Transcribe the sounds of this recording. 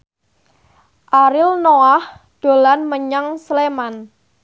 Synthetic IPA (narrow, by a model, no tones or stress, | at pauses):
ʔaɾɪlnoahd̪̥o̤lanməɲaŋsleman